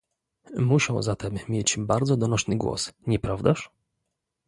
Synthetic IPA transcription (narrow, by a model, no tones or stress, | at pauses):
muɕɔ̃w̃zat̪ɛmːʲjɛt͡ɕbaɾd̪zɔd̪ɔnɔʂnɘɡwɔ̰sɲɛpɾavd̪aʂ